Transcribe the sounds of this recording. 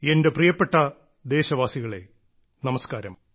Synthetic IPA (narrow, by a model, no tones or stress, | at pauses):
ende̞prijɐpːe̞ʈːɐ | d̪e̞ːɕɐʋaːsiɣɐɭe̞̰ | nɐmɐskaːɾɐm